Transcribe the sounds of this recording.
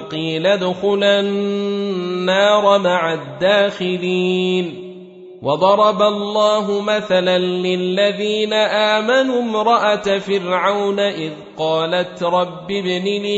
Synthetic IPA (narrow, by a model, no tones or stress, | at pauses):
qiːlad̪ʊxʊlanː | aːɾˤɑmaʕad̪ːaːxɪliːn | wɑd̪ˤɑɾˤɑbalˤːɑːɦʊmaθalanlɪlːaðiːnaʔaːmanumɾˤɑʔat̪afɪɾʕawnaʔɪðqɑːlat̪ɾˤɑbːɪbnil